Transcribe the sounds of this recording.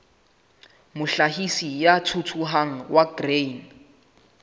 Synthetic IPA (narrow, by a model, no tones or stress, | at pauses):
mʊɬaɦisijatʰutʰuɦaŋ̩waɡren